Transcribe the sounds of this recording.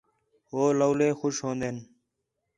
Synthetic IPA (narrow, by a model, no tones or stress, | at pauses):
oːləwleːxʊʃhõːnd̪eːn